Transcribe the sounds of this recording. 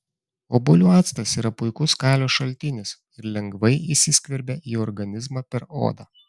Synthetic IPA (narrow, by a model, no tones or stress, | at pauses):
oːbolʲuːɑːt̪st̪ɐsiːɾɐpʊɪkʊskɑːlʲoːʃɐlʲt̪ʲɪnʲɪs | ɪɾlʲɛŋɡʋɐɪiːˑsʲɪsʲkʲʋʲɛɾʲbʲɛʔiːɔɾɡɐnʲɪzmɑːpʲɛɾo̰ːd̪ɑː